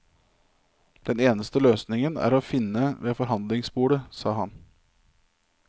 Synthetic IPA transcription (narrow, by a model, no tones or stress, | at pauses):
d̪̥ɛneːnəst̪əløːsnɪŋənæ̰ːɾoːfɪnːəʋeːfɔɾɦɑnd̪lɪŋsbuːɽəsɑːɦɑn